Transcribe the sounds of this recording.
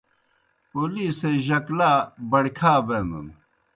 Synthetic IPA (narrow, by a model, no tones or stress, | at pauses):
poliːseʑɐklaːbɐɽkʰaːbenṵn